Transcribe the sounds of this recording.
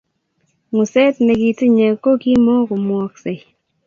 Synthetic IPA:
ŋu˨sɛ˦tnɛ˧ki˨ti˦ɲe˨kːo˦ki˦mɔ˦ku˨mwɔ˦k̚se˨

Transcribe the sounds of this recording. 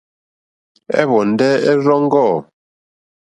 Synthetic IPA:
ɛ̰˦βɔ˨n˨dɛ˦ɛ˦ɾɔ˦ŋ˦ɡɔ˦˨

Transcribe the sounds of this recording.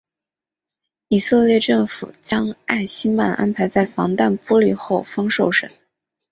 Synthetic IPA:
i˨˩sɤ˥˧ljɛ˥˧ʈ͡ʂɤ˥˩ŋfṵ˨˩t͡ɕjɑ˥ŋa˥˩ɪɕi˥ma̰˨˩nʔa̰˥npʰa˧˥ɪt͡sa˥˩ɪfɑ˧˥ŋt̪a˥˩npwɔ˥li˨˩xo˥˩ʊfɑ˥ŋʂo˥˩ʊʂə̰˨˩˦n

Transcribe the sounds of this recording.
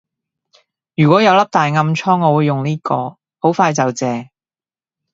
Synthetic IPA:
jyː˨kʷɔ˨˥jɐ˨˧wlɐ˥p̚t̪aː˨jŋɐ˧mt͡ʃʰɔː˥ŋːɔː˨˧wu˨˧jːʊ˨ŋniː˥kɔ̰ː˧ | ho˨˥wfaː˧jt͡sɐ˨wt͡sɛː˨˧

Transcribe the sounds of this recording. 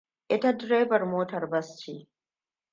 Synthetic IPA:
ʔɪ˦ta˦dɾa˦jbɐ˨rmoː˦tɐ˨rbɐ˦stiː˦

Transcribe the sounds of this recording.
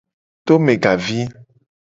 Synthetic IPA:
t̪o˦me˨ɡa˨vi˦

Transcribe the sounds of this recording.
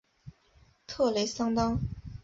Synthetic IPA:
t̪ʰɤ˥˩le˧˥ɪsɑ˥ŋt̪ɑ˥ŋ

